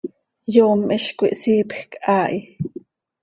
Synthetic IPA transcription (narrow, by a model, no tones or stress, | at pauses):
joːmʔiɬkʷiʔsiːpxkʔaːʔi